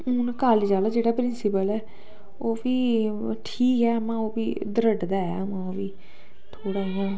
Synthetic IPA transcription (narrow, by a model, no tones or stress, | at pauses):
ʊnkaːlid͡ʒaːlaːd͡ʒeːɽaːpɾɪnsɪpəlɛː | oːbiːʈʰiːkɛːəmãːoːbiːd̪əɾəɖd̪aːɛ̰ːəmãːoːbiː | t̪ʰoːɽaːɦãː